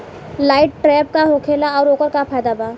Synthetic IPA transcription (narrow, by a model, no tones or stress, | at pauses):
laːɪʈʈːɾɛːp̚kaɦokʰeːlaɔːɾoːkəɾkapʰaːjd̪abaː